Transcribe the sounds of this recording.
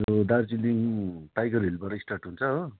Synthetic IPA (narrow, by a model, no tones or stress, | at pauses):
od̪aɾt͡siliŋʈajɡʌɾɦelbaɾʌisʈarʈɦunt͡sʰʌɦo